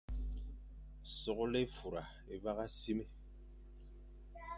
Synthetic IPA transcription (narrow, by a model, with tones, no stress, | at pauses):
sɔ˦˨ɣɔ˦le˦fu˨ɾa˨ | e˨va˦ɣa˦si˦me˦